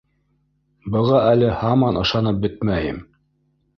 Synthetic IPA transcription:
bɤ̆ʁɑælɘhɑmɑnɤ̆ʃɑnɤp̚bɘt̪̚mæjɘ̰m

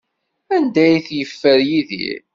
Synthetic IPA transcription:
ænd̪æjθjəfːəɾjiðḭɾ

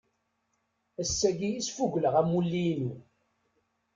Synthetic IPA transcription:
æsːæɡijisfuʝləʁæmulːinu

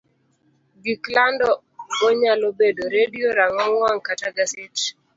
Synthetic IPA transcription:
ɡiklandɔ | ɡɔɲalobedoɾedioɾaŋɔŋwaŋkataɡasɪt͡ʃ

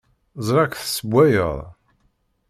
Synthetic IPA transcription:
zˤɾˤɑkθsəbʷːæjə̰ðˤ

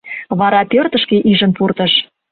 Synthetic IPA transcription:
βɑɾɑpørt̪ə̆ʃkeʔiʒə̆npurt̪ə̆ʃ

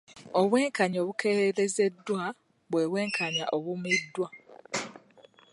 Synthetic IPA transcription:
oβwe̞ːŋkaɲo̞ːβukʰeɾeɾe̞ze̞dːwa | βweːβweːŋkʰaɲa̰ʔoβumidːwa

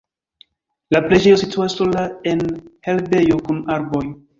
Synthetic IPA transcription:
laple̞d͡ʒe̞jo̞situasːolae̞nhe̞lbe̞jo̞kunaɾbo̞j

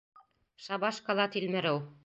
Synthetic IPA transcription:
ʃɑbɑʃkɑlˠɑt̪ilmɘ̆ɾɘw

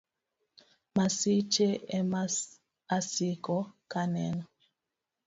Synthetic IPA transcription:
masit͡ʃeɛma | asikɔkanɛnɔ

